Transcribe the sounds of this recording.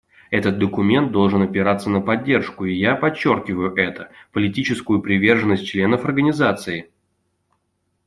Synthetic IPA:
ɛt̪ət̪̚d̪əkʊmʲe̞nt̪̚d̪o̞lˠʐɨnɐpʲɪɾat̪sːənəpɐdʲːe̞rʂkʊɪjapɐt͡ɕːorkʲɪvəjʊʔɛt̪əpəlʲɪtʲit͡ɕɪskʊjʊpɾʲɪvʲe̞rʐənːəsʲt̚ʲt͡ɕlʲe̞nəfɐrɡənʲɪzat̪sɨɪ

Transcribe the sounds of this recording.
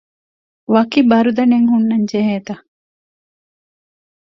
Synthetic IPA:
ʋɐkibɐɾud̪ɐneŋɦunːɐɲd͡ʒeɦeːt̪ɐ

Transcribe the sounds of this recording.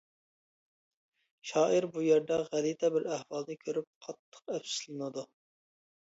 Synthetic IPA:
ʃɑːʔiɾbujɛɾd̪ɛʁælit̪ʰɛbɪɾæhwɑlˠnɨkʲʰøɾyp̚qʰɑt̪ʰːə̥qɛpsɪ̥slˠɨnɨd̪u

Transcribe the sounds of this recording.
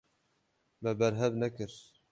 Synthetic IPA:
bɛbɛɾɦɛvnɛkɨɾ

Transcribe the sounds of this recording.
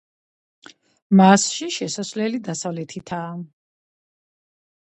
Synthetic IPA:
masʃiʃɛsasvlɛlid̪asavlɛt̪ʰit̪ʰaː

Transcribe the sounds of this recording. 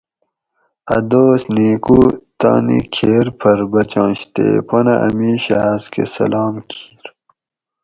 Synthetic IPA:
ɐ̰d̪oːsniːkut̪aːnikʰeːɾpʰɐɾbɐt͡ɕɑ̃ːɕt̪ḛːponaʔɐmiːɕaazkʰḛsɐ̰laːmkʰi̥ːɾ

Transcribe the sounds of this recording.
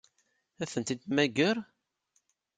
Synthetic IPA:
æθənt̪id̪mæɡəɾˤ

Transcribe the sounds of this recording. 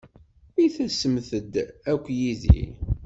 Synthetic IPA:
iθæsəmθəd̪ækʷːjiðḭ

